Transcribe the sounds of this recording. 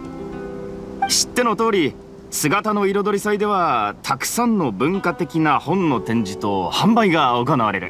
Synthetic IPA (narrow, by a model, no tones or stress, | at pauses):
ɕi̥t̪ːe̞no̞t̪o̞ːɾʲi | sɨɡat̪ano̞iɾo̞d̪o̞ɾʲisaid̪e̞β̞at̪ʰakɯ̟̥sãnːo̞bɯ̟̃ŋkat̪e̞kʲinahõ̞nːo̞t̪ẽ̞ɲ̟d͡ʑit̪o̞hãmbaiɡaokonaβ̞aɾe̞ɾɯ̟̰